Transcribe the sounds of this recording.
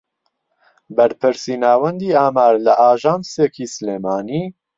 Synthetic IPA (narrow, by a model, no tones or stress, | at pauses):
bɛɾpʰɨɾsiːnaːwɛnd̪iːaːmaːɾlɐʔaːʒaːmsekʰiːsleːmaːniː